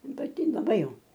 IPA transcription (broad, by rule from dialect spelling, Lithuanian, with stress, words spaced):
pɐˈtʲɪ lˠɐˈbɐɪ ˈjɛʊ